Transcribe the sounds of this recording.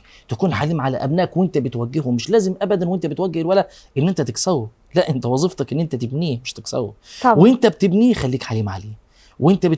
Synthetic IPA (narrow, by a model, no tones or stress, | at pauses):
t̪ækuːnħaliːmʕalæ̰ʔæbnæːkwent̪æbet̪wæɡːehomeʃlæːzemʔæbæd̪ænwent̪æbet̪wæɡːehelwælæ | ʔenːʔent̪æt̪eksæwː | læʔent̪æwɑzˤeft̪ɑkʔenːʔent̪æt̪ebniːmeʃt̪eksæ̰wæ̰went̪æb̚t̪ebniːxælːiːkħaliːmʕa̰leː | weʔent̪æbe